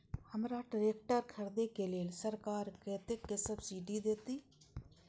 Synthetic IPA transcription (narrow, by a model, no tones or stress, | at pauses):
həmɾaʈɾeːk̚ʈəɾkʰəɾd̪ekeleːlsəɾkaːɾkɾeːt̪ɪkːesəbsiːɖid̪eːt̪iː